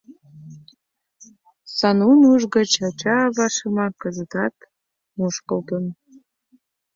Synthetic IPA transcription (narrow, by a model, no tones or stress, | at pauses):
sɑnunuʒɣə̆t͡ɕɑt͡ɕɑβɑʃəmɑkəzət̪ɑt̪ | muʃkə̆lt̪ən